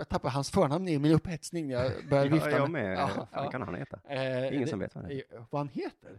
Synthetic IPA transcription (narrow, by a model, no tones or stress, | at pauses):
jɑɡ̚t̪ʰapːaɾɦansfœːɳamnɪmɪnɵphɛt̪snɪŋnæjɑɡbœɾjaɾɪt̪amɛkʰanha̰nɛ̰ːt̪ʰaɪŋːəsɔmvḛːt̪va̰d̪ɛvahanheːt̪əɾ